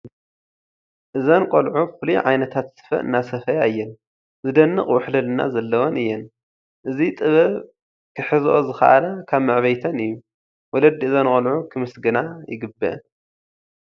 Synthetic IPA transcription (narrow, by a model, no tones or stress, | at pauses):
ʔɨzankʼɐlʕufɨlujʕajnɐt̪ʰat̪sɨ̥fɐ̰ʔɨ̰nːasɐfɐjaɨjːɛn | zɨd̪ɐnːɨχʼwʊħlɐlɨnːa̰zɐlːɐwonɨjːɛn | ʔɨzit̪ʼɨβɐβ | kʰɨħɨzʔozɨxa̰ʔalakʰaβmɨʕβɐjt̪ʰɐnɨjːu | wɔlɐd̪iɨzankʼɐlʕukʰɨmɨsɡɨnajɪ̰ɡɨbːɨʔɐ̰n